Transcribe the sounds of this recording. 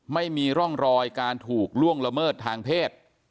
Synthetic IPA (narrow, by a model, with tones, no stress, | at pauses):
ma˥˩jmiː˧ɾɔ˥˩ŋɾɔː˧jkaː˧nt̪ʰuː˨˩k̚lu˥˩əŋla˧mɤː˥˩t̪ʰːaː˧ŋpʰeː˥˩t̪̚